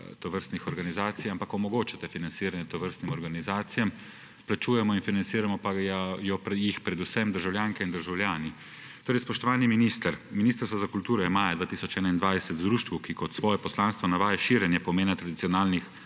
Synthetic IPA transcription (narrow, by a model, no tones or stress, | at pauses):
t̪ɔʋəɾst̪nixɔɾɡanizaːt̪sijampakɔmɔɡoːt͡ʃat̪ɛfinansiːɾanjɛt̪ɔʋəɾst̪nimɔɾɡanizaːt̪sijam | plat͡ʃuːjɛmɔinfinant̪siːɾamɔpajɔpjixpɾɛd̪usɛmd̪əɾʒawljaːŋkɛind̪əɾʒawlʲjaːni | t̪oːɾɛjspɔʃt̪ɔʋaːniminist̪əɾminiːst̪əɾsʋazakult̪uːɾɔjɛmaːjad̪ʋaːt̪iːsɔt͡ʃɛːnaind̪ʋajsɛt̪zd̪ɾuːʃt̪ʋukikɔt̪sʋɔːjɛpɔslanst̪ʋɔnaʋaːjɛʃiːɾjɛnjɛpɔmeːnat̪ɾad̪it̪sijɔnaːlnix